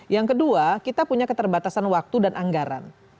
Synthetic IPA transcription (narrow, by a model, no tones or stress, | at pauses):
jaŋkəduakit̪apuɲakət̪ərbat̪asanwak̚t̪udanʔaŋɡaɾa̰n